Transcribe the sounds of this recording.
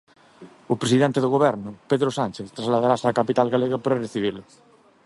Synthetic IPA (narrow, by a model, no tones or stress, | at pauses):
opɾesiðɛnt̪eðoɣoβɛɾnʊpeðɾosanʲt͡ʃeθt̪ɾazlaðaɾasakapit̪alɣaleɣapaɾareθiβ̞iɾlʊ